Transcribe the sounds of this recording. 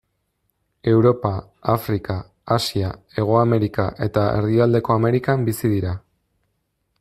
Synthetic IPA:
e̞wɾo̞pa | afɾikaː | siae̞ɣ̞o̞ame̞ɾikaʔe̞t̪ae̞rðiald̪e̞ko̞ame̞ɾikambisiðiɾa

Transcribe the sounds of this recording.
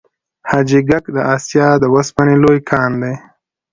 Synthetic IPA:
had͡ʒiɡakd̪əʔɑsjɑd̪əwaspanelojkʰɑːnd̪aj

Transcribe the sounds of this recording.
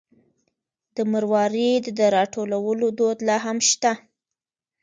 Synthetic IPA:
d̪̥əməɾwɑɾid̪əd̪əɾɑʈʰolawəlod̪od̪lɑɦamʃt̪a

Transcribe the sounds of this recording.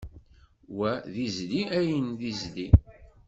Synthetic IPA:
wæðizðiʔæjənðizði

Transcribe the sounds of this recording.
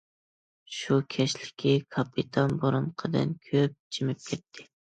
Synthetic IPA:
ʃukʲʰɛʃlɪ̥kʲʰikʰɑpʰːit̪ʰɑnboɾunqʰəd̪ɨ̰nkʲʰøp̚d͡ʒʰimɪp̚kʲʰɛt̪ʰːɪ̥

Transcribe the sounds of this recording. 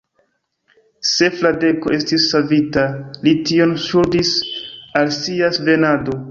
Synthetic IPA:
se̞flade̞koʔe̞stisːavitalitio̞nsuɾdisalsiasve̞nado̞

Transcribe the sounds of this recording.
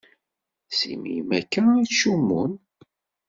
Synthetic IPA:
sḭmḭjmækːæʃumːṵn

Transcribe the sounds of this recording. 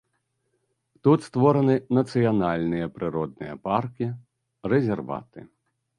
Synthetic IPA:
t̪ut̪st̪vɔɾɐnɨnɐt̪sɨjanalʲnɨjɐpɾɨɾɔd̪̚nɨ̰jɐ̰parkʲi | rɛzʲɛrva̰t̪ɨ̰

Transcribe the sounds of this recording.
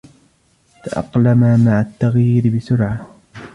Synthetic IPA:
t̪aʔɑ̰qlamamaʕat̪ːaɣjiːɾɪbɪsʊɾʕa

